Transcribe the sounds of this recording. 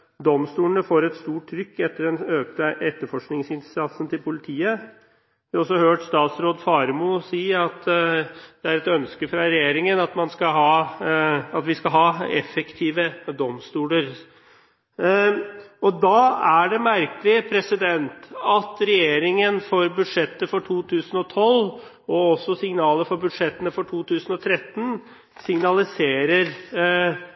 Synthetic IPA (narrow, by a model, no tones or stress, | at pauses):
d̪ɔmst̪uːlənəfoːɾɛt̪st̪uːʈʰːɾʏkːɛt̪ːəɖɛnøːk̚t̪əʔɛt̪ːəɾfɔʂknɪŋsɪnsɑt̪sənt̪ɪlpʰʊlɪt̪ʰiːə | ʋɪɔsːɔhøːʈst̪ɑːt̪sɾoːd̪fɑɾmusiːɑt̪ | d̪̥ɛæɾɛt̪œnskəfɾɑɾɛjeːɾɪŋənɑt̪mɑnskɑɦɑː | ɑt̪ʋɪskɑlɦɑːɛ̰fɛkt̪ʰiːʋəd̪ɔmst̪uːləɾ | ɔd̪ɑæɖɛmæɾkəlɪpʰɾɛsɪd̪ɛnt̪ɑt̪ɾɛjeːɾɪŋənfɔɾbʉd̪ʂɛt̪ːəfɔʈʰuːt̪ʰʉːsən̩ɔt̪ʰɔl | ɔɔsːɔsɪŋnɑːləfɔɾbʉd̪ʂɛt̪ːənəfɔʈʰuːt̪ʰʉːsənɔt̪ʰɾɛt̪ːn̩ | sɪŋnɑlɪseːɾəɾ